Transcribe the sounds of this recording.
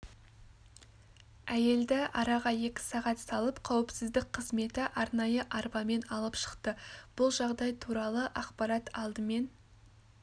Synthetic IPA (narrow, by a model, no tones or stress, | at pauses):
æje̞ld̪ɪʔɑɾɑʁɑje̞kʲɪ̥sɑʁɑt̪sɑlˠəpqʰɑwɪpsɪzd̪ɪk̚qʰəzme̞t̪ɪʔɑɾnɑjəʔɑɾbɑme̞nɑlˠəpʃə̥qt̪əb̥ʊlˠʒɑʁd̪ɑjt̪ʰuɾɑlˠəʔɑqpɑɾɑt̪ɑlˠd̪əme̞n